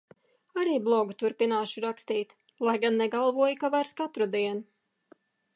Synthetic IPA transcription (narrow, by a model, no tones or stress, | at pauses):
aɾiːblˠɔɡut̪uɾpinaːʃuɾakst̪iːt̪ | lˠajɡanːɛɡalˠvuɔjkavaɾskat̪ɾud̪iɛn